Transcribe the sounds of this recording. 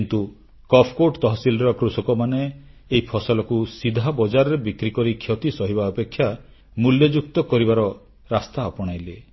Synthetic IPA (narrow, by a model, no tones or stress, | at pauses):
nt̪u | kɔpʰkoʈt̪ɔɦɔsilɾɔkɾusɔkɔmaneːɦipʰɔsɔlɔkusid̪ʱabɔd͡ʒaɾɔɾebikɾikɔɾikʰjɔt̪isɔɦiβaɔpekʰːja | muljɔd͡ʒuk̚t̪ɔkɔɾibaɾɔ | ɾast̪aɔpɔɽ̃ajle